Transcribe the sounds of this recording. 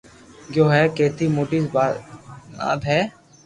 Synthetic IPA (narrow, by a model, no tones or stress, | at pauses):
joːɦɛkeːt̪ʰimoːʈiːsb | a̰ːd̪ɦɛː